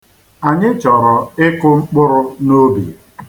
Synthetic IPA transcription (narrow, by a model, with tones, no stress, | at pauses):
a˨ɲɪ˦t͡ʃɔ˨ɾɔ˨ɪ˦kʊ˦ŋ͡m̩˦k͡pʊ˦ɾʊ˦no˦bḭ˨